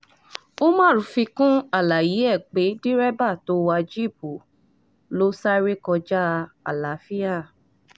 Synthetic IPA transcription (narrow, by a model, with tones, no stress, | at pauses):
o˦mãː˦˨ɾũ˨˦fi˧kũ˦a˦˨la˨ji˨˦ɛ˦˨k͡pe˨˦di˦ɾɛ˦ba˦˨to˨˦wa˧d͡ʒi˦˨bu˨ | lo˦sa˦ɾe˦kɔ˧d͡ʒa˦˧a̰˨la˨˦fi˦a˦˨